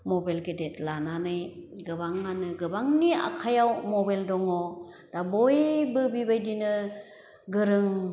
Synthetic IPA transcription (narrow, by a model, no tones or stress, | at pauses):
mɔbajlɡedetlananɯjɡɯbaŋːanɯɡɯbaŋnia̰kʰajawmɔbajldɔŋɔ | d̥abɔjbɯbibajdinɯ | ɡɯɾɯŋ